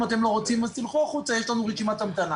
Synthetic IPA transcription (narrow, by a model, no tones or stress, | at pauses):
at̪e̞mlo̞ʁot͡simasilχuaχut͡sajeʃlanuʁeʃimatamt̪ana